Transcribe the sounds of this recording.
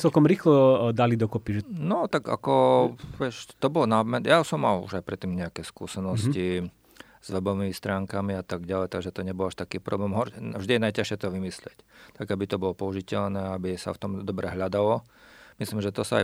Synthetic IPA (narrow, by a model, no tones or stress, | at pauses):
t͡sɛlkɔmɾiːxlɔd̪alid̪ɔkɔpiʒɛnɔt̪aɡa̰kɔʋɛʃt̪ɔbɔlnamɛnjasɔmːalṵʒaɪpɾɛt̪ːiːmɲɛakɛskṵːsɛnɔsci | z̥ʋɛbɔʋimist̪ɾaːŋkamiat̪aɡɟalɛjt̪aɡʒɛt̪ɔɲɛbɔlaʃt̪akiːpɾʔɔblɛːmɦɔɾvʒd̪ijɛnajcaʃɪɛt̪ɔʋimislɪɛct̪aɡabit̪ɔbɔlɔpɔuʒicɛʎnɛːabisa̰ft̪ɔmd̪ɔbɾɛɦʎad̪alɔ | misliːmʒɛt̪ɔsaa̰